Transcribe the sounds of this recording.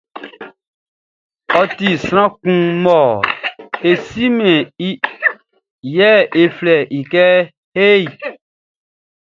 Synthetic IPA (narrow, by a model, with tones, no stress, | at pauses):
ɔ˨t̪i˨sɾ̃ã˦kũ˦mɔ˨ | e˨si˦mɛ̃˨i˦ | jɛ˦e˨flɛ˨ʔi˨kɛ˦ | he˦i˨